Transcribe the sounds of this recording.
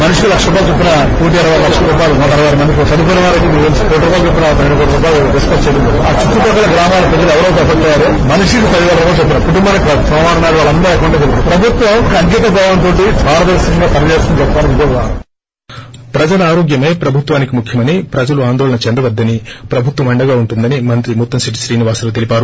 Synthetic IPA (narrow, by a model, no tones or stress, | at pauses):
mɐnuʂulɐkʂɐɾubaːt͡ʃepːinɐ | puːʈ̪iɐɾɐʋaːɾlɐkʂɐɾubaːlumɔʈɐɾɐʋaːɾimɐn | sɐd̪upuɽɐʋaːɾɐk̬imiɐnspoːʈːɐɾbaːt͡ʃepːinɐt̪ɐɾeɳɖɐkoːʈɾubaːlud̪iskɐt͡ʃeːd̪unːɐːɾuaːt͡ʃut̪ːupɐɡɐlɐɡɾaːmaːlɐpɾɐd͡ʒɐluɛʋɐɾɐːpɾɐbʱɐkʈ̪ːɐaːɾu | mɐnuʂikipɐliɡɐɾɐɾɐbaːt͡ʃepːinɐkuʈumbaːnɐkʋausɐːʋaːnɐnaːɾuʋaːɭɐnːɐːɛkɐʋɐɳʈːɐːt͡ʃepːinɐpɾɐbʱut̪ʋɐmkɐŋɡiːt̪ɐbʱaːʋɐnt̪o̞ːʈibʱaːɾɐt̪ɐɾsɐŋɡaːpɐnɐd͡ʒeːsk̪unt͡ʃɛpːaːnɐnid̪oa | pɾɐd͡ʒɐlɐaːɾɔːɡjɐme̞ːpɾɐbʱut̪ʋaːnikimukʰjɐmɐnipɾɐd͡ʒɐluaːnd̪ɔːlɐnɐt͡ʃɛnd̪ɐʋɐd̪ːɐnipɾɐbʱut̪ʋɐmɐɳɖɐɡaːuɳʈund̪ɐnimɐnt̪ɾimut̪ːɐmsiʈ̬i̥sʈiːniʋaːst̪ɐt̪̬elipaːɾu